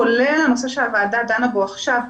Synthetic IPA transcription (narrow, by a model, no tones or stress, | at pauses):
olelamosaʃeavad̪ad̪anaboaχʃav